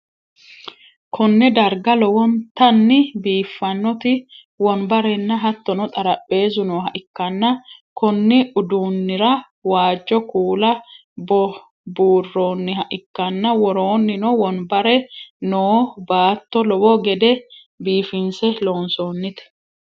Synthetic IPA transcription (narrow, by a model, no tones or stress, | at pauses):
kʰɔnːɛd̪ɐɾɡɐlɔwɔnt̪ɐnːɪbiːfːɐnːɔt̪ɪ | wɔnbɐɾɛnːɐɦɐt̪ːɔnɔt̪ʼɐɾɐpʼːe̞ːzʊnoːɦɐʔɪkːɐnːɐkɔnːɪʔʊd̪uːnːɪɾɐ | waːd͡ʒːɔkuːlɐ | bɔ | buːrːoːnːɪhɐʔɪkːɐnːɐwɔɾoːnːɪnɔwɔnbɐɾɛnoːbaːt̪ːɔlɔwɔɡɛd̪ɛ | biːfɪnsɛlo̞ːnsoːnːɪt̪ɛ̥